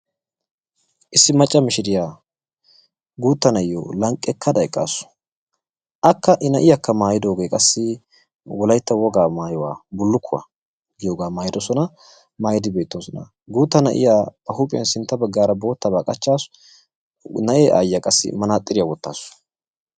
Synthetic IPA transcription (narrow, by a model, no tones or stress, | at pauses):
ʔɪsːɪmɐt͡ʃʼːɐmɪʃɪd̪ɪjaː | ɡuːt̪ːɐnɐʔɪjo̰ːlɐŋkʼːɛkʰːɐd̪ɐɛkʼːa̰ːsːʊ̥ | ʔɐkːɐʔɪnɐʔɪjɐkːɐmaːjɪd̪o̞ːɡeːkʼɐsːɪ | wɔlɐjt̪ːɐwɔɡaːmaːjɔwa̰ːbʊlːʊkʰːʊwa̰ | ɡɪjoːɡaːmaːjɪd̪ɔsɔnɐ | maːjɪd̪ɪbe̞ːt̪ːoːsɔnɐ̰ | ɡuːt̪ːɐnɐ̰ʔɪ̰jaːbɐhupʼɪjɐ̰nsɪnt̪ːɐbɐɡːaːɾɐbo̞ːt̪ːɐbaːkʼɐt͡ʃːaːsʊ | nɐʔeːʔa̰ːjjakʼɐsːɪ̰mɐnaːt̪ʼːɪɾɪjawɔt̪ːa̰ːsːʊ̥